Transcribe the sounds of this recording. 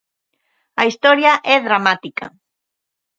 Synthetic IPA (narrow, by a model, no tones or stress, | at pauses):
aist̪ɔɾjaʔɛðɾamat̪ika̰